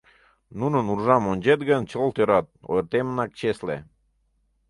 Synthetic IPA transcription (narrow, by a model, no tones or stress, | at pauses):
nunɤ̆nurʒɑmonʲd͡ʑet̪ɡənt͡ɕolˠt̪øɾɑt̪̚o̰jɾt̪emənɑk̚t͡ɕeslḛ